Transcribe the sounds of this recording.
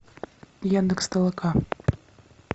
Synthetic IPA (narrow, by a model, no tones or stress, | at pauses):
jand̪ɨkst̪ɐlˠɐka